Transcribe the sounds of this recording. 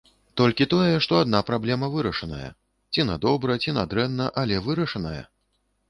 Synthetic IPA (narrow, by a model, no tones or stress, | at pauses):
t̪ɔlʲkʲit̪ɔjɛʂt̪ɔad̪napɾablʲɛmɐvɨɾɐʂɐnɐ̰jɐ̰ | t͡sʲinad̪ɔbɾɐt͡sʲinad̪ɾɛnːɐʔalʲɛvɨɾɐʂɐnɐjɐ̰